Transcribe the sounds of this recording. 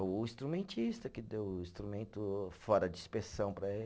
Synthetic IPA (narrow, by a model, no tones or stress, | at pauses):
ʊĩst̪ɾumẽnt͡ʃist̪ɐkɪd̪ewĩst̪ɾumẽnt̪ʊfɔɾɐd͡ʒɪispesɐ̃w̃pɾɐe